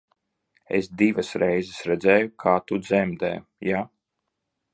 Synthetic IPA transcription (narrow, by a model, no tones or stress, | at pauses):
ḛsd̪ivɐsɾɛjzɛsɾɛd̪zɛːjukʰaːt̪ud̪zɛmd̪ɛ̰ːjja